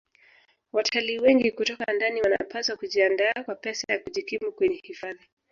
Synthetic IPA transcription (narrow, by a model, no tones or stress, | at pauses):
watʰaliːwɛŋɡikutɔkandaniwana̰paswakuʄiandaːkwapɛsajakuʄikimukwɛɲɛhifaði